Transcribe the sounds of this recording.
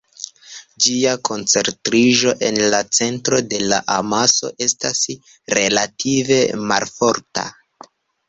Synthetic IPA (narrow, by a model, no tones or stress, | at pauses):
d͡ʒiakʰo̞nt͡se̞ɾtɾiʒo̞ʔe̞nlat͡se̞ntɾo̞de̞la̰ʔamaso̞̰ʔe̞stas | ɾe̞latʰive̞malfo̞ɾta̰